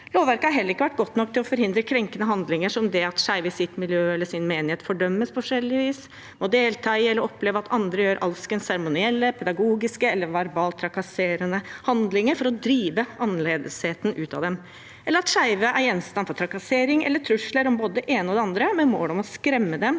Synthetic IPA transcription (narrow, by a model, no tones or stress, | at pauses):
loːʋæɾkəhɑɾɦɛləɾɪkːəʋæʈ̚ːɡɔt̪ːnɔkt̪ʰɪlɔfɔɾhɪnd̪ɾəkʰɾɛŋkənəɦɑnd̪lɪŋəʂɔmd̪ɛɑt̪ʂæɪʋəɪsɪt̪mɪljøːɛlːəʂɪnmeːnɪheːt̪fɔɖœmːəspʰɔfɔʂɛlːɪʋiːs | mɔd̪eːlt̪ʰɑːiɛlːəɾɔpleːʋɑt̪ɑnd̪ɾəjøːɾʔɑlskənsæɾmʊnɪɛlːəpʰɛd̪ɑɡuːɡɪskəɛlːəɾʋæɾbɑːlt̪ʰɾɑkɑseːɾənəhɑnd̪lɪŋəɾfɔɾɔd̪ɾiːʋəɑnleːd̪əsheːt̪n̩ʔʉːt̪ɑ̰d̪ɛm | ʔɛlːəɾɑt̪ʂæɪʋəʔæɾjɛnst̪ɑnfɔɾʈ̪ʰɾɑkɑseːɾɪŋʔɛ̰lːəʈʰɾʉʂləɾɔmboːd̪əɛʔeːnəɔd̪ɛɑnd̪ɾəmɛnmoːlɔmɔskɾɛmːəd̪ɛm